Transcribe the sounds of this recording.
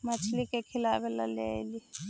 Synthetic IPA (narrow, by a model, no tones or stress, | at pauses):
mat͡ʃʰilikɛkʰilaβɛla̰lɛːli